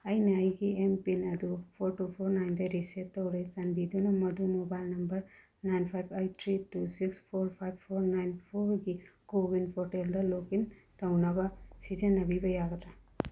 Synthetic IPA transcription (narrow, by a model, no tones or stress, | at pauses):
ajnaajɡiempinad̪upʰoɾʈupʰoɾnajnd̪aɾiset̪ːʌwɾʌjsanbid̪unɔmʌd̪umobajlnʌmbʌɾ | najnpʰajbejʈ̚t̪ʰɾitusikspʰoɾpʰajb̚pʰoɾnajnpʰoɾɡikobinpʰoɾʈeld̪ɐlokint̪ʌwnʌbʌsizenːʌbibʌjaɡʌd̪ɾa